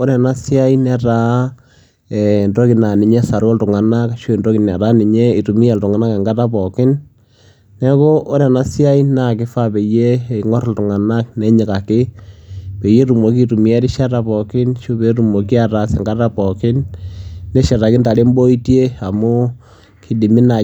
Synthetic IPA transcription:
o˦nɛ˨na˦sja˦i˦nɛ˦ɾa˦ | ɛ˨ndo˦kɪ˨na˨nɪ˨ɲɛ˦sa˨ɾɔ˦ltʊ˨ŋa˨na˦kʃo˦˨ndo˦kɪ˨nɛ˨ɾa˦ni˨ɲe˦i˨tu˨mi˦ɛ˨ltʊ˨ŋa˨na˦ke˨ŋɡa˦ta˦pɔ˨kɪ˦nː | ɛ˦ko˦ʔo˦nɛ˨na˦sja˦i˦na˨kɪ˦fa˦pe˨je˦˨i˨ŋɔ˦ɾltʊ˨ŋa˨na˦k̚nɛ˦ɲɪ˨ka˨kɪ˦ | pe˨je˦ɾu˨mo˨k̬i˦tu˨mi˦ɛ˦ɾɪ˦ʃa˦ta˨pɔ˨kɪ˦nʃo˦be˨˦ɾu˨mo˨ki˦a˨ɾa˨sɛ˨ŋɡa˦ta˦pɔ˨kɪ˦nː | ɛ˦ʃa˨ta˨kɪ˦nta˨le˦mbo˦i˦tje˦a˨mʊ˦ | kʰi˨di˨mɪ˦na˨

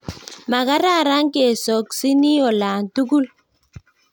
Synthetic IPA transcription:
ma˨ɡa˦ɾa˦˨ɾa˦ŋke˨sɔ˨ksi˦ni˦ɔ˨la˨n˨tu˦ɡu˦l

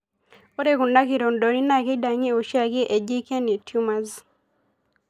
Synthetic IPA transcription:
o˦ɾe˦ku˨na˦ki˨ɾo˨ndo˨ɾi˦na˦ki˦da˨ŋi˦o˨ʃja˦˨ki˦ʔe˨d͡ʒi˦ke˦ni˨tʰju˦ma˦z

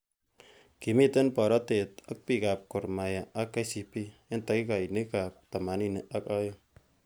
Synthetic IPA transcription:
ki˨mi˦t̪ɪ˦npɔ˨ɾɔ˦te˨t̪a˦k̚pi˨ka˨p̚kʊ˨ɾma˨ja˨a˦kːa˦si˨pi˦ɪ˦nta˨ki˦ka˨i˨nɪ˦ka˨p̚t̪a˨ma˨ni˦ne˨ʔa˦kɔ˦jɔ˦

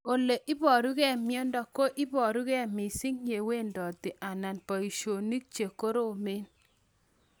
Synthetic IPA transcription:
o˨le˨ʔɪ˦bɔ˨ɾu˦kɛ˦˨mjɔ˦ndɔ˨ko˦ʔɪ˦bɔ˨ɾu˦kɛ˦˨mi˨si˦ŋje˨we˦˨ndɔ˨t̪ɪ˨ʔa˨na˨npɔ˨i˨ʃo˨ni˦k̚t͡ʃe˨ko˦ɾo˦˨me˦n

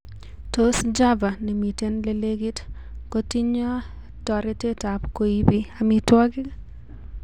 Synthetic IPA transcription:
to˦sd͡ʒa˦va˨nɛ˨mi˨te˦nle˨˦le˦ɡi˦t | ko˦ti˦ɲɔ˦ | tɔ˨ɾɛ˦te˦ta˨pko˦i˦bi˦ami˨twɔ˦ɡɪ˦

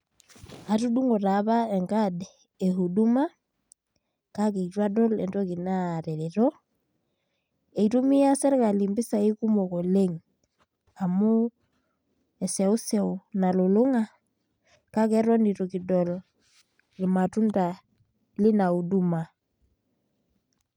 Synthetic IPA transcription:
a˨tu˦du˦ŋo˨ɾa˨βa˦e˨ŋka˦d | e˨ɦu˨du˦ma˦ | ka˦ke˨i˨twa˦dɔ˦lɛ̰˨nto˦ki˨na˦˨ɾɛ˨ɾi˨ɾo˦ | e˨itu˦mi˦a˦sɛ˦ɾka˨li˨mbi˦sa˨i˦ku˦mo˨ko˨le˦ŋ | a˨mu˦ | e˨se˨u˦sɛ˦wna˨lu˨lu˦ŋa˦ | ka˦kɛ˦ɾo˦ndi˨ɾo˨ki˨dɔ˨l | li˨ma˨tu˦nta˨ | li˦na˨u˨du˦ma˨

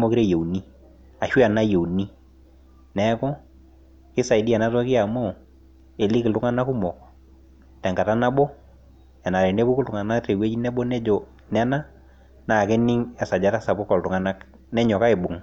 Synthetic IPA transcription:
mɔ˦kɪ˦ɾe˦je˨wni˦ | a˨ʃwi˦a˨na˦je˨wni˦ | nɛ˦kɔ˦ | kɪ˦sa˨ɪ˨˦di˦ɛ˨na˦tɔ˦kɪ˦a˨mo˦˨ | e˨li˦kɪ˨ltʊ˦ŋa˦na˦ku˦mɔ˨k | tɛ˨ŋɡa˨ta˦na˦bɔ˦ | ɛ˨na˨ɾɛ˨ne˦bu˦kʊ˦ltʊ˨ŋa˨na˦te˨we˦t͡ʃi˦nɛ˦bɔ˦nɛ˦d͡ʒɔ˨ | nɛ˦na˦ | na˨kɪ˦nɪ˦ŋɛ˨sa˨d͡ʒa˦ta˦sa˨bʊ˦kɔ˨ltʊ˨ŋa˨na˦k | nɛ˦ɲɔ˨ka˦ɪ˨bʊ˨ŋ˦

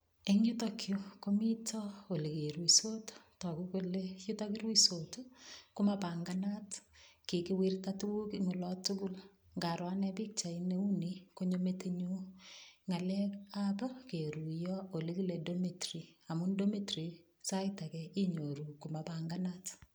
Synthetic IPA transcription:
e˦ŋu˦takʰjoko˦mi˦tʰɔ˦o˨le˨ke˨ɾwi˨so˦ttɔ˨ku˦ko˦leju˦taki˦ɾwisotu˦ku˦mapaŋɡana˦tki˨kiwi˦rtatu˦ku˦kiŋo˨lɔ˦tukul | ŋɡa˨ɾwa˦nɛ˦pi˦k̚t͡ʃa˨ine˦u˦niko˦ɲometeɲu˦ŋa˨lɛ˦kapa˦ke˨ɾu˨jɔo˨li˦ki˦ledo˦metri˨a˨mu˦ndo˦me˦tɾi˨ | sa˦ɪta˨kɛ˨i˦ɲo˨ɾu˨ku˨mapaŋɡanat

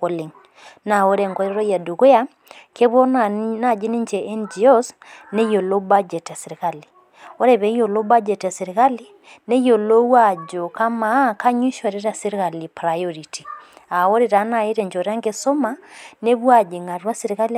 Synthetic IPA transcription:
ko˦li˨ŋ | na˨o˦ɾe˨ŋɡo˦ɾe˦ɾo˦ja˨du˨ɣo˦ja˦ | kʰe˦βo˦nna˦˨d͡ʒi˦ni˦ɲd͡ʒe˨ʔɛ˦nd͡ʒi˨o˦sne˦jo˨lo˦ba˦d͡ʒɛ˨ta˨si˨ɾi˨ka˦li˨ | o˦ɾe˨βe˨˦jo˨lo˦ba˦d͡ʒɛ˨ta˨si˨ɾi˨ka˦li | ne˦jo˨lo˦wa˨d͡ʒo˨ka˦ma˨˦ka˦ɲwi˦ʃo˨ɾe˦ɾa˨si˦ɾka˨li˨pɾa˨jɔ˦ɾi˨ti˨ | a˨o˦ɾe˨ɾa˨˦na˨i˦ɾe˨ɲd͡ʒo˨ɾa˦ŋɡe˦so˦ma˦ne˦βwa˨d͡ʒe˨ŋa˨ɾwa˦si˦ɾi˨ka˦l

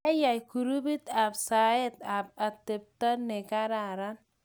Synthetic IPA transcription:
a˦ja˨jku˨ɾu˦bi˦t̪a˨bsa˨je˦t̪a˨p̚a˨t̪ːe˨p̚t̪a˦ne˨ka˦ɾa˨ɾa˦n

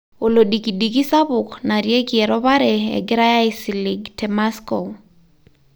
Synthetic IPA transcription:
o˨lo˨di˨ki˨di˨ki˦sa˦bʊ˨kna˨ɾje˦kiɛ˨ɾɔ˦βa˦ɾɛ˨ɛ̰˨ɡɪ˦ɾa˦ja˦ɪsi˨li˨ɡtɛmasko˨

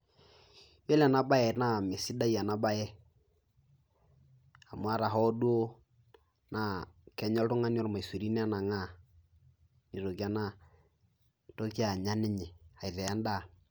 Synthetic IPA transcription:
jɛ˦la˨na˦ba˦jɛ˨tna˦˨mɪ˨sɪ˦da˦ja˨na˦ba˦jɛ˦ | a˨mʊ˨˦a˦ɾa˨ɦɔ˦du˦o˦ | na˦kɛ˨ɲɔ˦ltʊ˦ŋa˦n˦ɔ˦ɾma˨i˨si˨ɾi˦n˦a˦na˨ŋa˦ | ni˨ɾo˨ki˦a˦na˦ | to˦ki˦a˨ɲa˦nɪ˦ɲɛ˨a˨ðɛ˨a˦nda˦˨

